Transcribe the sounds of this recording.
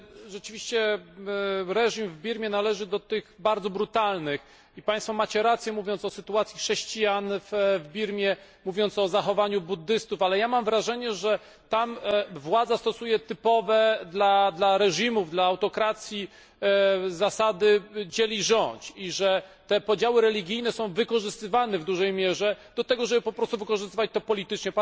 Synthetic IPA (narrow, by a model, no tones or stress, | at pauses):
ʐɛt͡ʂɘvʲiɕt͡ɕɛ | ɾɛʐimvbʲiɾmʲjɛnalɛʐɘd̪ɔt̪ɘɣbaɾd̪zɔbɾut̪alnɘx | ipaj̃st̪fɔmat͡ɕɛɾat̪sʲjɛmuvʲjɔnt̪sɔsɘt̪uat̪sʲjixʂɛɕt͡ɕijanfvbʲiɾmʲjɛ | muvʲjɔnt̪sɔzaxɔvaɲubud̪ːɘst̪ufalɛjamamvɾaʐɛɲɛʐɛ | t̪amvwad̪zast̪ɔsujɛt̪ɘpɔvɛd̪lad̪laɾɛʐimuvd̪laːwt̪ɔkɾat̪sʲji | zasad̪ɘd͡ʑɛlʲiʐɔɲt͡ɕiʐɛt̪ɛpɔd͡ʑawɘɾɛlʲiɡʲijnɛsɔ̃w̃vɘkɔʐɘst̪ɘvanɛvd̪uʐɛjmʲjɛʐɛd̪ɔt̪ɛɡɔʐɛbɘpɔpɾɔst̪uvɘkɔʐɨst̪ɘvat͡ɕt̪ɔpɔlʲit̪ɘt͡ʂɲɛpa